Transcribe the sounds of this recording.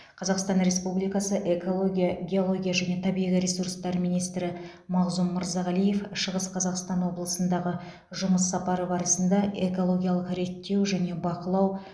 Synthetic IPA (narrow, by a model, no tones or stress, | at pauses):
qʰɑzɑqst̪ɑnɾe̞spublijkɑsəʔe̞kolˠoɡʲiɑɡʲe̞o̞lˠo̞ɡʲijaʒæne̞t̪ʰɑbijʁʲiɾe̞surst̪ɑɾmijnijst̪ɾɪ | mɑʁzumːəɾzɑʁælije̞fʃəʁəsqʰɑzɑqst̪ɑnwo̞blˠəsənd̪ɑʁə | ʒʊməsːɑpɑɾəbɑɾəsənd̪ɑʔe̞ko̞lˠo̞ɡʲijɑlˠəqɾe̞t̪ːe̞wʒæne̞bɑqəlˠɑw